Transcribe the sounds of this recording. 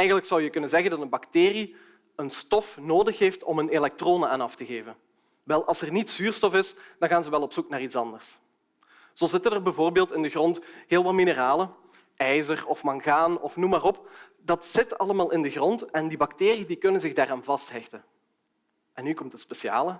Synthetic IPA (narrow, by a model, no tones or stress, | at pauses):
ɛjɣənləksɑwjəkɵnənzɛɣəndɑtənbɑkteːri | ənstɔfnoːdəxɦeːftɔmənelɛk̚troːnəaːnɑftəɣeːvən | ʋɛlˠʔɑlˠsərnitsyːrstɔfɪsd̥ɑnɣaːnzəʋɛlˠɔpsuknaːritsɑndərs | z̥oːzɪtənərbɛvoːrbeːlˠtɪndəɣrɔntɦeːlˠʋɑtminəraːlə | ɛjzərɔfmɑŋɣaːnɔfnumaːrɔp | dɑtsɪtɑləmaːlˠɪndəɣrɔntɛndibɑkteːriədikɵnənzɪɣdaːraːnvɑstɦɛxtən | ʔɛnːykɔmtəspeʃa̰ːlə